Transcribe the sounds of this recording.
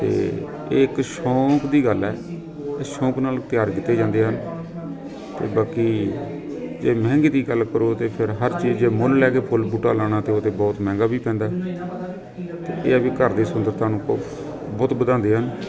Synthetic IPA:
t̪ḛː | ɪkʃɔ̃ːkd̪iːɡəlɛ̰ː | ɪsʃɔ̃ːknaːlt̪ɪjaːɾkɪt̪ːeːd͡ʒãːnd̪eːɦən | t̪ḛːbaːkiː | d͡ʒeːmɛ̃ːŋɡiːd̪iːɡəlkəɾoːt̪eːpʰɪɾɦəɾt͡ʃiːd͡ʒd͡ʒeːmʊllɛːkeːpʰʊlbʊʈaːlaːɽ̃ãːt̪eːoːt̪eːbɔːt̪mɛ̃ːŋɡaːbiːpɛ̃ːnd̪aːɦ | t̪ḛːʔeːəbiːkəɾd̪eːsʊnd̪əɾt̪ʰaːnũːko | bɔːt̪bəd̪ãːnd̪eːɦən

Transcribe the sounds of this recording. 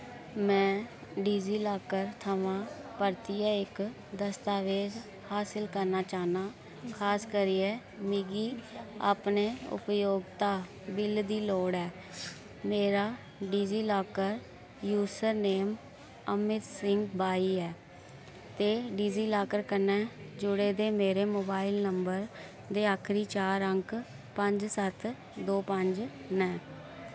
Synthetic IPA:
mɛ̃ː | ɖiːziːlaːkəɾt̪ʰəʋãːpəɾt̪iɛːɪk | d̪əst̪aːʋeːz | haːsɪlkəɾnaːt͡ʃaːnaː | kʰaːskəɾiːɛː | miːɡiːa̰ːpneːʊ̰pjoːɡt̪aː | bɪld̪iːloːɽɛː | meːɾaː | ɖiːziːlaːkəɾ | juːsəɾneːm | əmɪt̪sɪŋkbaːiːɛː | t̪eːɖiːziːlaːkəɾkənɛːd͡ʒʊɽeːd̪eːmeːɾeːmoːbaːɪlnəmbəɾ | d̪eːaːkʰɾiːt͡ʃaːɾəŋk | pəɲd͡ʒsət̪ʰ | d̪oːpəɲd͡ʒ | nɛ̃ː

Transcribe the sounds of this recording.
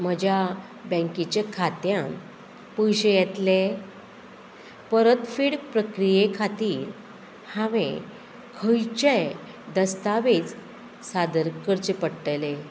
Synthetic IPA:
m̤əd͡ʑʱja | bə̃ŋkit͡ɕekʰat̪jãm | pujɕejɛt̪le | pəɾət̪fiːɽpɾəkɾijekʰat̪iːɾ | hãʋḛ̃ | kʰəjt͡ɕe | d̪əst̪aʋet͡s | sad̪əɾkəɾt͡ɕepəɽʈəle

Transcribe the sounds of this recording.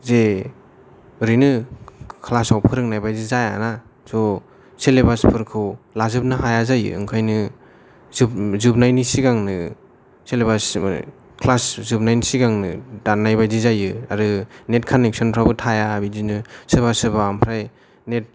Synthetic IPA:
ze | ɾinɯkʰlasawpʰɯɾɯk̚najbajzizaja̰na | zɔ | selebaspʰɯɾkʰɯwlazɯp̚nɯɦajazajɯ̰ɯ̰ŋkʰajnɯ | zɯzɯp̚najnisiɡaŋnɯ | selebas | kʰlaszɯp̚najnisiɡaŋnɯdannːajbajzizajɯaɾɯnet̚kʰanek̚sɔnpʰɾabɯtʰajabizinɯsebasɯbaːmpʰɾaj | net̚

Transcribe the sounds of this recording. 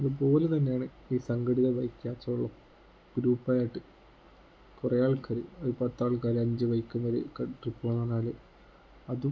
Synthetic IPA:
ɐðɨp̬o̞ːlet̪ɐnːe̞jaːɳɨ | iːsɐŋɡɐɽiðɐʋɐjkʲːaːt͡ɕːɐɭːɐ | ɡɾuːpːaːjajiʈːɨ | kurɐjaːɭkaːɾɨoɾupɐt̪ːaːɭk̬aːɾɐɲd͡ʑɨʋɐjikʲːumʋɐɾekɐʈripːoːnːɐnaːlɨ | ɐðu

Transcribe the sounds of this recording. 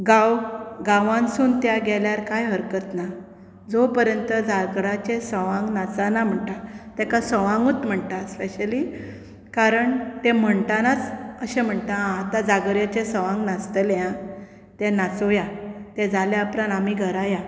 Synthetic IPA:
ɡawɡãʋãnsuːnt̪jaɡɛljaɾkajɦəɾkət̪na | d͡zopəɾjənt̪əd͡zaɡɽat͡ɕesəʋãŋɡnat͡sanam̤əɳʈ̪at̪ɛkasəʋãŋɡut̪m̤əɳʈ̪aspeɕəli | kaɾəɳt̪em̤əɳt̪anat͡səɕẽm̤əɳt̪aãːt̪ãd͡zaɡɾjat͡ɕesəʋãŋɡnast̪əljã | t̪ɛnat͡sojat̪ɛd͡zaljaːpɾanamiɡʱəɾaja

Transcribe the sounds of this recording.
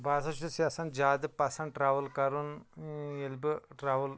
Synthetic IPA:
bʱaːsɐʃsjaːsɐnd͡ʒaːd̪ɨpɐsɐnʈɾaːʋɐlkɐɾun | elbɨʈɾaːʋɐl

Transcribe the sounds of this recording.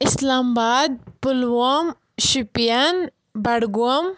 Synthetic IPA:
ɪslaːmbaːd̪̚pʊlwom | ʃipijɐn | bɐɽɡuɐm

